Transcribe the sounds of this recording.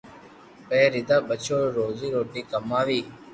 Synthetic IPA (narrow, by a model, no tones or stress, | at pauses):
peːɾɪd̪aːbət͡ɕʰoːɾoːziːɾoːʈiːkəmaːʋiː